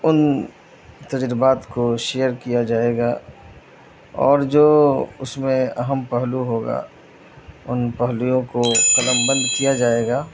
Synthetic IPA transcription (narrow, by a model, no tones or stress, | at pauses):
ʊn | t̪ɐd͡ʒɾɪbaːt̪koʃeːjəɾkijad͡ʒaːeːɡaː | ɔ̰ːɾd͡ʒoːʊ̰smẽɐɦəmpɐɦluɦoːɡa̰ː | ʊnpɐɦlujõkoqɐləmbə̃nd̪kijad͡ʒaːeːɡaː